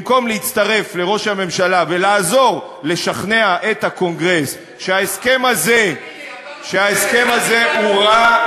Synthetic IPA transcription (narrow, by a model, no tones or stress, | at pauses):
mko̞mleit͡st̪aʁe̞fle̞ʁo̞ʃhame̞mʃalave̞laːzo̞ʁ | le̞ʃaχne̞aʔe̞t̪hako̞ŋɡʁe̞s | ʃeaeske̞maze | ʃeaeske̞maze̞uʁa